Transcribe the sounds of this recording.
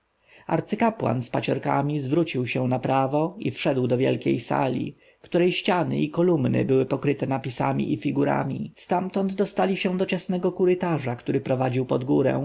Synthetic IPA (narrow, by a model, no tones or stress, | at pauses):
a̰ɾt̪sɘkapwa̰nspat͡ɕɔɾka̰mʲizvɾut͡ɕiwɕɛ̃w̃napɾavɔifʂɛd̪wd̪ɔvʲjɛ̰lkʲḛjsa̰lʲḭ | kt̪uɾɛjɕt͡ɕanɘ̰ikɔlumnɘ̰bɘwɘpɔkɾɘt̪ɛnapʲisa̰mʲḭʔifʲiɡuɾa̰mʲist̪amt̪ɔnd̪d̪ɔst̪alʲiɕɛ̃d̪ɔt͡ɕasnɛɡɔkuɾɘt̪aʐakt̪uɾɘpɾɔvad͡ʑiwpɔd̪ɡuɾɛ̰̃w̃